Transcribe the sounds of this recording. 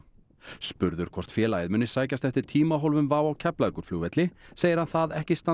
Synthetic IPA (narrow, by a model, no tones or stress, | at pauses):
spʏɾðʏɾ̥kʰvɔr̥t̪fjɛːlaːjðmʏnːɪsaːjcast̪ɛft̪ɪɾ̥t̪ʰiːmaɦowlvʏmvaːwawcʰɛplajkʏɾ̥fluwvɛt̪lɪseːjɪɾhanθaðɛhcɪst̪a